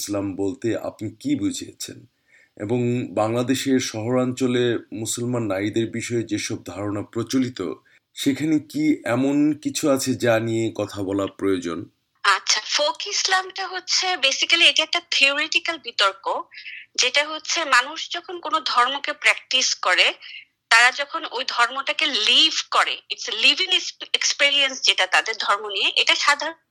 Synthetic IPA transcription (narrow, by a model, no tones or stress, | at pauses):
slambolt̪ea̰pnikibud͡ʑʱiḛt͡ɕʰḛn | ḛboŋbaŋlad̪eʃeɾʃɔɦoɾant͡ɕolemusolmanːaid̪eɾbiʃɔed͡ʑeʃɔb̚d̪ʱaɾonapɾot͡ɕolit̪o̰ | ʃekʰanekiɛmonkit͡ɕʰuat͡ɕʰed͡ʑaniekɔt̪ʰabɔlapɾojod͡ʑon | atːɕʰafokislamʈaɦotːɕʰebesikalieʈaɛk̚ʈat̪ʰioɾeʈikalbit̪oɾkod͡ʑeʈaɦotːɕʰemanuʃd͡ʑɔkʰonkonod̪ʱɔɾmokepɾɛk̚ʈiskɔɾe | t̪aɾad͡ʑɔkʰonojd̪ʱɔɾmoʈakelibʱkɔɾeiʈslibʱiŋekspiɾiensd͡ʑeʈat̪ad̪eɾd̪ʱɔɾmonijeʔeʈaʃad̪ʱaɾo